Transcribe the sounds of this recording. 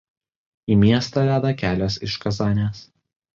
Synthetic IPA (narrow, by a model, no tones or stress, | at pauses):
iːmʲiɛst̪ɐːʋʲæːd̪ɐkʲæːlʲoːsɪʃkɐzɑːnʲeːs